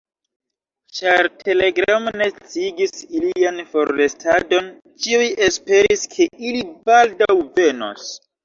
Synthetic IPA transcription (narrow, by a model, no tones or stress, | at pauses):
t͡ʃaɾtʰe̞le̞ɡɾamne̞t͡siɡisilianfo̞ɾːestʰado̞n | t͡ʃiuje̞spe̞ɾiskʰe̞ilibaldawve̞no̰s